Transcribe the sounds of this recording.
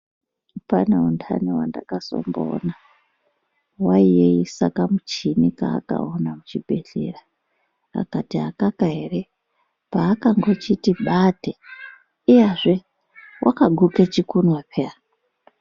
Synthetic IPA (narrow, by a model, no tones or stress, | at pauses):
paneuntʰa̰niwanda̰kaso̞̰mbo̰na | waijeisakamut͡ʃinika̰ːka̰onamut͡ʃibʱe̞ɮe̞ra | a̰katiakakaɦe̞re | paːkaŋɡo̞t͡ʃitiɓate | iaʐe | wʔakaɡʱuket͡ʃikunwapea